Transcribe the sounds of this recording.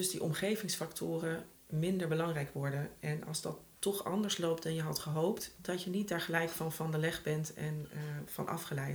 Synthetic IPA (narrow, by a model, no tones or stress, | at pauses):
dɵsdiʔɔ̰mχejvɪŋsfɑktʰʊːrə | mɪndəɹbəlɑŋrɛjkʋɔɹdənʔɛnɑ̰lˠzdɑtː | ɔχɑ̰ndəɹslowp̚tdɑnjəɦɑtχəɦowptdɑcjənit̚daːɹχəlɛjkfɑnvɑndəlɛχbɛntɛnvɑ̰nʔɑ̰fχəlɛjt